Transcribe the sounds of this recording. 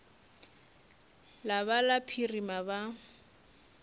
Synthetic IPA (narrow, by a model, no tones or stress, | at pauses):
laβalapʰirimaba